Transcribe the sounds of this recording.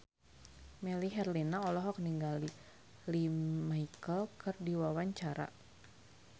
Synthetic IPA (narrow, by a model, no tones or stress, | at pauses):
mɛliɦɛrlinaɔlɔɦɔk̚niŋɡali | limaikəlkərdiwawaɲt͡ʃaɾa̰